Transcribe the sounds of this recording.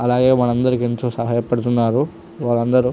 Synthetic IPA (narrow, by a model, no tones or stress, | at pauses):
ɐlaːɡeːʋɐɳɐnd̪ɐɾukent̪usɐɦaːjɐpːɐɽut̪̬unːaːɾu | ʋaːɭɐnd̪ɐɾu